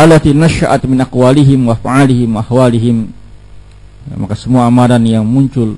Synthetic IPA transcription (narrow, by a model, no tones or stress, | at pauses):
alat̪inaʃaʔat̪mɪnʔaqwaliɦɪmwaafʕalɪɦɪmwaahwaliɦɪm | ma̰kasəmuaamadanjaŋmuɲt͡ʃʊl